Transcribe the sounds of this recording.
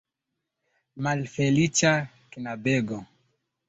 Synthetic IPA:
malfɛlit͡ʃa | kinabɛɡɔ

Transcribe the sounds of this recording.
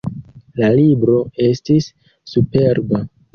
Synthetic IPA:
lalibɾo̞e̞stisː | upe̞ɾba

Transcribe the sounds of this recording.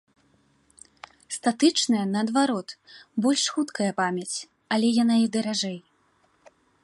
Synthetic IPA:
st̪at̪ɨt͡ʂnɐjɐnɐːd̪vaɾɔt̪bɔlʲʂxut̪kɐjɐpamʲɐt͡sʲ | ɐlʲɛjanaid̪ɐɾaʐɛj

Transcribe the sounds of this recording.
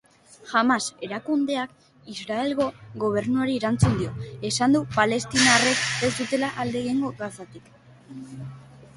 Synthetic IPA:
xamase̞ɾakund̪e̞ak | izɾae̞lɣo̞ɣo̞β̞e̞ɾnuaɾieɾant͡sund̪io̞e̞sand̪upale̞st̪inare̞ke̞zd̪ut̪e̞laʔald̪e̞ɣeŋɡo̞ɣasat̪ik

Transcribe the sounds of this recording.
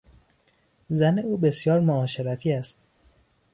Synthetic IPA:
zæne̞uːbe̞sjɒːɾmoɒːʃe̞ɾæt̪ʰiːæst̪

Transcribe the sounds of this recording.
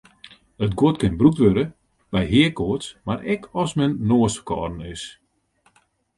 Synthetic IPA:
ətɡotkɪnbruktʋøɾə | b̥ɛjɦɪəkʰoətsmaɾʔɛkʰɔsmɛnːoəsə̥kʰɔ̰ːdn̩ɪs

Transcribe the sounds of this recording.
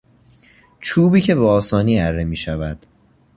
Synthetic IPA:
t͡ʃʰuːbiːcʰe̞beɒːsɒːniːæɾːemiːʃævæd̪̥

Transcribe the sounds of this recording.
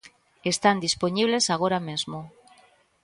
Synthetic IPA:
est̪and̪ispoɲiβlesaɣ̞oɾamezmo

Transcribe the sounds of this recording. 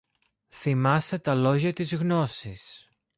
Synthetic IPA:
θimɐst̪e̞t̪ɐlo̞ʝɐt̪izɣno̞sis

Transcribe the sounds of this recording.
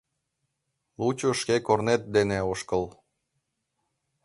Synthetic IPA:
lut͡ɕoʃkekornet̪̚d̪eneoʃkəl

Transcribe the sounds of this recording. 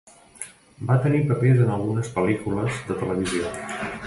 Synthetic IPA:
bat̪ənipəpezənəlˠɣunəspəlikuləzðət̪ələβ̞izio

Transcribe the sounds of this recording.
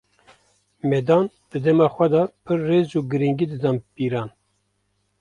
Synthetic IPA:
mɛːd̪ɑːn | d̪̥ɨd̪ɛmɑːxʷɛd̪ɑpʰɨrːeːzuːɡɨɾiŋɡiːd̪ɨd̪ɑːmpiːɾɑːn

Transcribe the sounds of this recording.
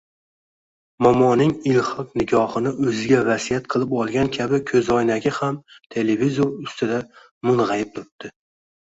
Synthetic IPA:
mɒmɒnɪŋɪlˠhɒqnɪɡʲɒhɨnɪʔɵzɪɡʲavasijat̪qʰɨlˠɪpɒlˠɡʲankʲʰabɪkʲʰɵzɒjnaɡʲɪhamt̪ʰe̞levizoɾʊst̪ʰɪd̪a | mʊnʁɑjɪp̚t̪ʰʊɾɪp̚t̪ʰɪ

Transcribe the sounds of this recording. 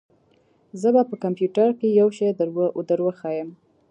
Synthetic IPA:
zəbapəkampjuʈaɾkejawʃejd̪əɾwəʔʊd̪əɾwəxɑjəm

